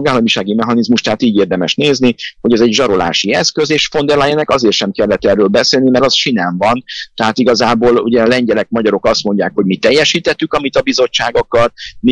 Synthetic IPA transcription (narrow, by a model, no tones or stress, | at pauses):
joɡaːlːɒmiʃaːɡimɛɦɒnizmuʃt̪ɛɦat̪iːɟeːrd̪ɛmɛʃneːzniho̞ɟɛzɛɟʒɒɾo̞la̰ːʃiɛskøzeːʃfo̞nd̪ɛɾlajɛnɛkɒzeːrʃɛmkɛlːɛt̪ːɛrøːlbɛseːlnimɛɾɒsʃinɛɱvɒnt̪ɛɦaːt̪iɡɒzaːboːlṵɟɛlɛɲɟɛlɛk̚mɒɟɒɾo̞kɒst̪mo̞ɲɟaːkho̞ɟmit̪ɛjːɛʃiːt̪ɛt̪ːykɒmit̪ɒbizo̞t͡ʃːaːɡɒkɒrm